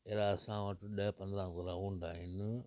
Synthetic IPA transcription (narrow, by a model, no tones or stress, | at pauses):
eːɾaːɐsãːʋɐʈɗɐpɐ̃nd̪ɾãːkoɾaːuːɳd̪aːɦɪnɪ